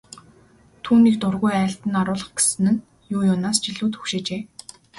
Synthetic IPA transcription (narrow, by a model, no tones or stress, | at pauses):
t̪ʰuːniːkt̪ʊrɣujæːɬt̪ɘ̆naɾʊːɮə̆χɡe̥sɘ̆nɘ̆n | jʊːjʊnaːst͡ɕiɮuːt̪xɵ̥xʃeːt͡ɕeː